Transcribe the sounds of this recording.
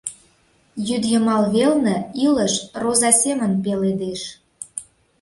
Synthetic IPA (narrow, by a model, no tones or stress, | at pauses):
jyd̪jə̆mɑlβelnə̆iləʃrozɑsʲemənpeled̪eʃ